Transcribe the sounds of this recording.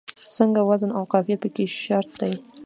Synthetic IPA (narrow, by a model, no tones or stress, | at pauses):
səŋɡawazənawqɑfjapəkeʃaɾt̪̚d̪aj